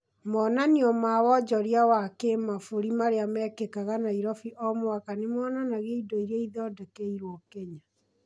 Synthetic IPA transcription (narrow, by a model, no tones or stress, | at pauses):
mɔnaniɔmawɔd͡ʒɔɾjawakemafoɾimaɾeamɛkekaɣanaiɾɔfiʔɔmwakanemɔnanaɣeidoiɾeiðɔdɛkeiɾwɔkɛɲa